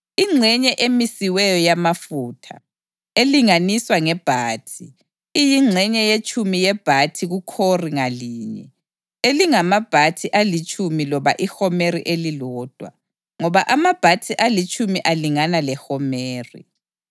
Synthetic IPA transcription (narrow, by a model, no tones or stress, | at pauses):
iŋ͡ǀʱɛɲɛʔemisiwɛjɔjamafuːtʰa̰ | eliŋaniswaŋɛb̥ʱaːtʰi | ijiŋ͡ǀʱɛɲɛjet͡ʃʼumijɛb̥ʱatʰiɣukʰoriŋaliːɲɛ̰ | eliŋamab̥ʱatʰiʔalit͡ʃʼumilɔβaʔixɔmerḭʔelilɔːd̥ʱwa̰ | ŋɔβaʔamab̥ʱatʰiʔalit͡ʃʼumiʔaliŋanalɛxɔmeːrḭ